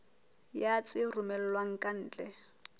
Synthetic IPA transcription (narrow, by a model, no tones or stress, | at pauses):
jat͡sʼɪrumɛl̩lwaŋ̩kʼan̩ːt͡ɬʼɛ